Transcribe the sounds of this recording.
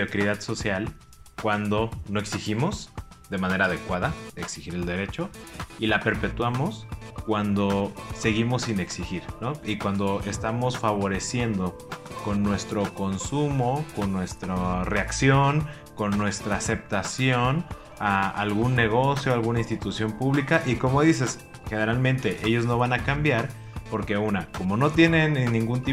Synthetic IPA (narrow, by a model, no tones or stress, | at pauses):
okɾiðaðso̞sjal | kwand̪o̞no̞e̞ksiximo̞zðe̞mãne̞ɾaːðekwaðaeksixiɾe̞ld̪e̞ɾe̞t͡ʃo̞ilape̞ɾpe̞t̪wamo̞skwand̪o̞se̞ɣimo̞sine̞ksixiɾno̞ikwand̪o̞ʔe̞st̪amo̞sfaβ̞o̞ɾe̞sje̞nd̪o̞ | ko̞nːwe̞st̪ɾo̞ko̞nsumoko̞nːwe̞st̪ɾare̞aksjo̞n | ko̞nːwe̞st̪ɾaːse̞p̚t̪asjo̞n | aa̰lɣunːe̞ɣ̞o̞sjo̞alɣunainst̪it̪usjo̞mpuβlikaʔiko̞mo̞ðis̬e̞s | xe̞ne̞ɾalmẽnt̪e̞ʔe̞ʝo̞zno̞βanakambjaɾ | po̞ɾke̞unako̞mo̞no̞t̪je̞ne̞nːĩŋɡunt̪i